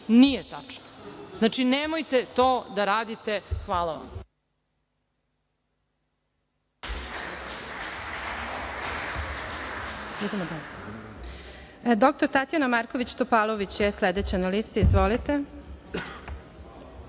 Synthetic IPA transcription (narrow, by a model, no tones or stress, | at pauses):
nijet̪at͡ʂnoznaːt͡ʃinemojt̪et̪oːd̪aɾaːd̪it̪exʋaːlˠaʋa̰m | id̪emod̪a | d̪o̞k̚t̪oɾt̪at̪janamaɾko̞ʋit͡ɕt̪opalˠoʋit͡ɕjesled̪et͡ɕenalist̪iizʋolit̪e